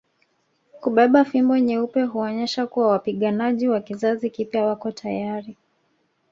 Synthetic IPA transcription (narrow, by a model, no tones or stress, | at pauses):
kuɓɛɓafimbɔɛɲɛupɛɦuɔɲɛʃakuwawapiɠanaʄiwakizazikipjawakɔtʰajaɾi